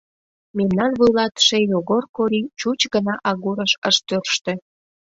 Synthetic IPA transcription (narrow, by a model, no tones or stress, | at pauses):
memnɑnβujlɑt̪ʃejoɣorkoɾit͡ɕut͡ɕɡənɑʔɑɣuɾəʃəʃt̪ørʃt̪ĕ